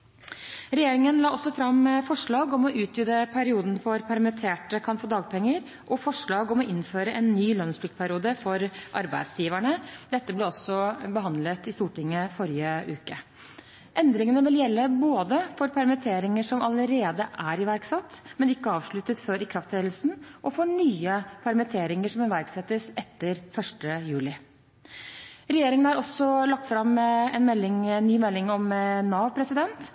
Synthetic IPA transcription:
ɾɛjeːɾɪŋənlɑːɔsːɔfɾɑmfɔʂɭɑːɡɔmɔʔʉːt̪̚jʏd̪əpʰæɾɪuːd̪nfɔɾpʰæɾmɛt̪ʰeːʈəkʰɑnfoːd̪ɑːɡpʰɛŋːəɾ | ʔɔfɔʂɭɑːɡɔmɔʔɪnføːɾəʔɛnːyːlœnspʰlɪk̪pʰæɾɪuːd̪əfɔɾʔɑɾbæɪd̪sjiːʋæɳəd̪̥ɛt̪ːəblɛɔsːɔbəɦɑnd̪lət̪ɪst̪uːʈɪŋːəfɔɾɪjəʔʉːkə | ʔɛnd̪ɾɪŋənəʋɪljɛlːəboːd̪əfɔɾpʰæɾmɪt̪ʰeːɾɪŋəʂɔmɑləɾeːd̪əʔæɾɪʋæɾksɑt̪ːmɛnɪkːəɑːʋʂɭʉt̪ːət̪føːɾɪkʰɾɑft̪ʰeːd̪l̩snʔɔfɔɳyːəpʰæɾmɪt̪ʰeːɾɪŋəʂɔmɪʋæɾksɛt̪ːəsɛt̪ːəɾfœʂʈəjʉːlɪ | ɾɛjeːɾɪŋənæɾɔsːɔlɑk̚t̪fɾɑmɛnmɛlːɪŋnːyːmɛlːɪŋɔmnɑːʋpʰɾɛsɪd̪ɛnt̪

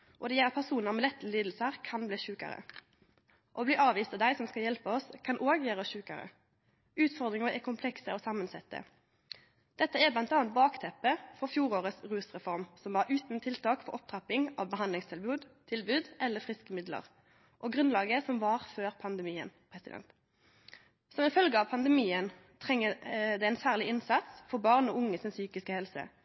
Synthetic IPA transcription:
ʔɔd̪ɛjɛlːəʁpʰæʁsuːnəmɛlɛt̪ːəliːd̪l̩səʁkʰɑnbliːçʉːkə̰ɾə̰ | ʔobliːʔɑːʋiːst̪ɑʋd̪æɪsɔmskɑljɛlpəɔskʰɑnʔoːɡəjøːʁɾəçʉːkə̰ʁə̰ | ʉːt̪fɔʁd̪ʁɪŋəʁʔɛkʰʊmpʰlɛksəoːsɑmənsɛt̪ːə̰ | d̪̥ɛt̪ːəɛblɑnt̪ɑːɑnt̪̚bɑːkt̪ʰɛpːəfɔfjuːɾoːʁəsʁʉːsʁɛfɔʁmsɔmʋɑːʁʉːt̪n̩t̪ʰɪlt̪ʰɑːkfɔʁɔp̚t̪ʰʁɑpɪŋɑ̰ːʋbəhɑnd̪lɪŋst̪ʰɪlbʉːd̪t̪ʰɪlbʉːd̪ʔɛlːəfʁɪskəmɪd̪lə̰ʁ | ʔɔɡʁʉnlɑːɡəsɔmʋɑʁføːʁpʰɑnd̪əmiːə̰npʰʁɛsɪ̰d̪ɛ̰nt̪ | sɔmɪfœlɡəɑʋpʰɑnd̪əmiːən | t̪ʰʁɛŋːəd̪ɛɛɪnsæːʁlɪɪnsɑt̪sfɔʁbɑːʁnɔːʊŋːəsɪnsyːkɪskəhɛlsə̰

